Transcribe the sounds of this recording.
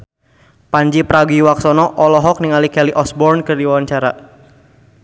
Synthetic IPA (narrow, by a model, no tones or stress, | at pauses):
paɲd͡ʒipɾaɡiwaksɔnɔʔɔlɔɦɔk̚niŋalikɛliʔɔsbɔrnkɨrdiwwaɲt͡ʃaɾa